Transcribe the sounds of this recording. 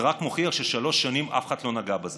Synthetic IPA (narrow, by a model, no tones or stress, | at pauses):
ʁakmoχiaʁʃeʃalo̞ʃːanimʔa̰fχat̪lo̞naɡabaze